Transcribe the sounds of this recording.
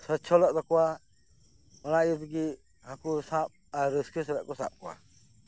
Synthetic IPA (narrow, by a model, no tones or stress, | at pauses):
sət͡ʃʰɔlɔʔd̪ɔkɔwa | ɔnajit̪ɡi | hãkusãp̚aɾiskis̬ɛlɛʔkɔsã̰p̚kɔwa̰